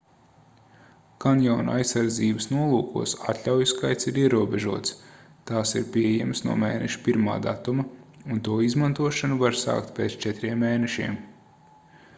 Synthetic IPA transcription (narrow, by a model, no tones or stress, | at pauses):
kanjɔːn̰ajsːaɾd̪ziːbəsnuɔlˠuːkṵɔsat̪lʲawjuskajt̪siɾiɛɾuɔbeʒuɔt̪s | t̪aːsiɾpʲiɛjɛmsnṵɔmeːnɛʃu̥piɾma̰ːd̪at̪umɐunt̪uːizmant̪uɔʃanuvaɾsa̰ːkt̪̚pʲeːt̪st͡ʃɛt̪ɾiɛmːeːnɛʃḭɛm